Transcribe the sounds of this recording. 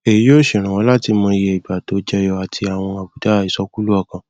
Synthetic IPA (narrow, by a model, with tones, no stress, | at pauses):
e˨ji˨˦jo˦˨ʃe˨ɾ̃ã˨wɔ̃˨˦la˦ti˧mɔ̃˧i˧je˧i˨ba˨to˨˦d͡ʒɛ˦jɔ˧a˨tʰi˧a˨w̃ɔ̃˧a˨bu˨˦da˨˦˨i˨˦sɔ˦ku˦lu˦ɔ˦˨kã˨